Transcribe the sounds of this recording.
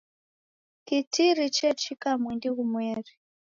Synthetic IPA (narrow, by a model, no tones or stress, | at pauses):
kitiɾit͡ʃɛt͡ʃikamwindiɣumwɛːri